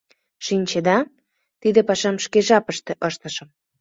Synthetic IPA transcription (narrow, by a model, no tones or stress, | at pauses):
ʃinʲt͡ɕed̪ɑ | t̪id̪ĕpɑʃɑmʃkeʒɑpə̆ʃt̪ĕʔɤʃt̪ə̆ʃə̆m